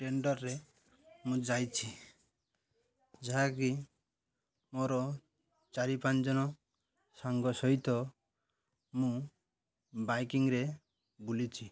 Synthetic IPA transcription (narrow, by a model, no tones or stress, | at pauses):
ʈeɳɖɔɾːe | mũd͡ʒajt͡ʃʰi | d͡ʒaɦaki | moɾɔ | t͡ʃaɾipand͡ʒɔnɔ | saŋɡɔsɔɦit̪ɔ | mũ | bajkiŋɾe | bulit͡ʃʰi